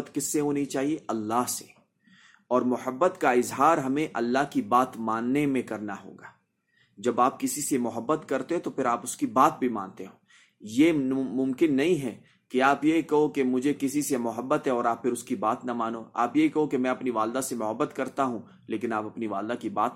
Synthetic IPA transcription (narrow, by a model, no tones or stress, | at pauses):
ət̪kɪsːeɦoːnɐɦĩt͡ʃaːɦieʔɐlːaɦse | ɔːɾmʊhəbːət̪kaɪzɦaːɾɦɐmẽʔɐlːaɦkibaːt̪maːnːemẽkɐɾnaɦo̰ːɡaː | d͡ʒɐbaːp̚kɪsisemʊɦəbːət̪kɐɾt̪et̪opʰɪɾaːpʊskibaːt̪̚bʱimã̰ːnt̪eɦoː | jemʊ̃mkɪnːɐɦĩɦɛː | keaːpjekɐɦokemʊd͡ʒʱekɪsisemʊɦəbːət̪ɦɛɔːɾaːppɪɾʊskibaːt̪namaːnoa̰ːpjekɐɦokemɛ̃ːɐpniʋaːld̪asemʊɦəbːət̪kɐɾt̪aɦũ | leːkɪnaːpɐpniʋaːld̪akibaːt̪